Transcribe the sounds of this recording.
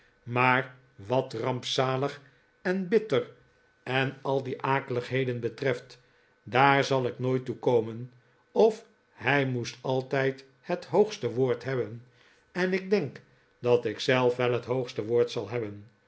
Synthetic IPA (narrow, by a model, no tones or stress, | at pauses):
maːɹ | ʋɑtrɑmpsaːləχ | ɛnbɪtər | ɛnɑlˠdiʔaːkələχɦejdənbətrɛft | daːɹzɑlˠɪknoːjtukowmən | ɔf | hɛjmustɑlˠtɛjt | hətɦowχstəʋoːɹtɦɛbən | ɛnɪɡ̚dɛŋk | dɑtɪksɛlˠfʋɛlˠɦətɦowχstəʋoːɹtsɑlˠɦɛbən